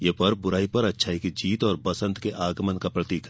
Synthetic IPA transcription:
jeːpɐɾbʊɾaːipɐɾɐtːʃʰaːikid͡ʒiːt̪ɔːɾbɐsə̃nt̪keʔaːɡmənkapɾɐt̪iːkɦ

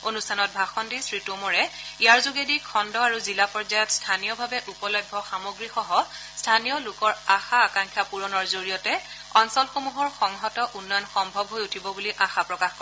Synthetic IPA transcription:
onustʰanɔt̚bʱaxɔndisɹitomɔɹɛijaɹzoɡedikʰɔndɔaɹuzilapɔɹzajɔtstʰanijɔbʱabɛʔupɔlɔjbʱːɔxamoɡɹixɔɦɔ | stʰanijɔlʊkɔɹaxaːkaŋkʰjapuɹɔnɔɹzoɹijɔtɛ | ɔnsɔlxomuɦɔɹxɔŋɦɔtɔʔunːɔjɔnxɔmbʱɔbɦojutʰibɔbuliʔaxapɹɔkaxkɔ

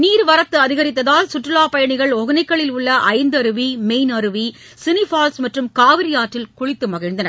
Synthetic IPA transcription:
niːɾʋɐɾɐt̪ːɯɐðɪɣɐɾɪt̪ːɐðaːlsʊʈrɯlaːpɐjɐɳɪɣɐɭɔɣɪnɐɪkːɐɭɪlʊɭːɐʔɐɪnd̪ɯɐɾɯʋimeɪnɐɾɯʋi | sɪnɪfaːlsmɐʈrɯmkaːʋɪɾɪjaːʈrɪlkʊɻɪt̪ːɯmɐɣɪɻnd̪ɐnɐ

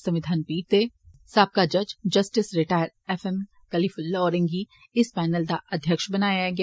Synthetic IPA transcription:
sɐ̃mʋɪd̪ʱaːnpiːʈ̚t̪eː | saːb̚kad͡ʒɐd͡ʒd͡ʒɐsʈɪsɾɪʈaːjəɾ | ɛfɛm | kɐliːfʊlːɔːɾɪ̃ŋɡi | ɪspɛːnəld̪aʔɐd̪ʱjəkʃbɐnaːjaɡ

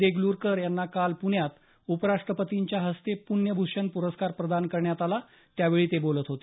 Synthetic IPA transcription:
eɡluːɾkəɾjanːakalpuɳjat̪ | upəɾaʂʈɾəpət̪iɲt͡ɕjaɦəst̪epuɳjəbʱuʂənpuɾəskaɾpɾəd̪ankəɾɳjat̪ala | t̪jaʋeɭiːt̪ebolət̪ɦot̪e

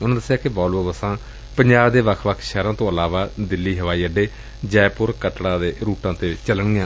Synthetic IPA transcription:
ʊnãːd̪əsːejaːkɪbɔːlʋobəsãː | pəɲd͡ʒaːbd̪eːʋəkʰʋəkʰʃɛːɾãːt̪õːəlaːʋaːd̪ɪlːiːɦəʋaːiːəɖːeː | d͡ʒɛːpʊɾkəʈɽaːd̪eːɾuːʈãːt̪eːt͡ʃəlɳɪjãː

